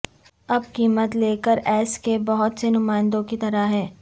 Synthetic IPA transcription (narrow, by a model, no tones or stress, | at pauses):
ɐb̚kiːmət̪leːkəɾɛːskebɐɦʊt̪senʊmaːɪ̃nd̪õkit̪ɐɾaɦɛː